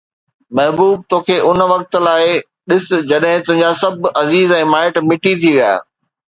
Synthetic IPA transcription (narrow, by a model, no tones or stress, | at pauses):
mɐɦbuːb̚t̪oːkʰeːʔʊnʋɐk̚t̪̆laːɪ | ɗɪsɪ̆d͡ʑɐɗɦɪ̃t̪ʊɦɪ̃ɲ̆d͡ʑasɐbʱɐziːzɛ̃ːmaːɪʈmɪʈit̪ʰiʋija̰ː